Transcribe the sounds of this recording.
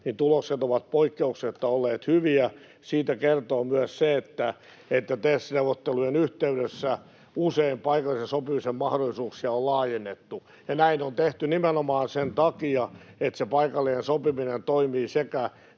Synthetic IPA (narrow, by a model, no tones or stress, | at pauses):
nint̪ulokset̪oʋɑt̪̚poikːeukset̪ːɑolːeːt̪hyʋiæ | siːt̪ækert̪oːmyæsseet̪ːæ | et̪ːæt̪esneuʋˑot̪ːelujenyht̪eyɾesːæ | useimpɑikɑlisesopimisemmɑhdolːˑisuːksiɑollɑːjenːet̪ːu | jɑnæinont̪eht̪ynimenomɑːnsent̪ɑkiɑet̪sepɑikɑlːiensopiminent̪oimiːsekæ